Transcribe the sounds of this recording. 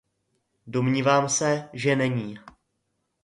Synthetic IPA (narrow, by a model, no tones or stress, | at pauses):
domɲiːvaːmsɛʒɛnɛɲiː